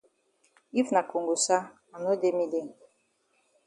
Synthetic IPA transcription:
i˦fna˨ko˨ŋɡu˨sa˦ | a˨no˦de˦mi˦de˦˨ŋ

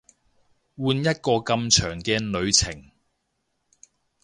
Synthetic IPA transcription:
wuː˧njɐ˥t̚kɔː˧kɐ˧mt͡ʃʰœː˨˩ŋkɛː˧nɵ˨˧ɥt͡sʰɪ˨˩ŋ

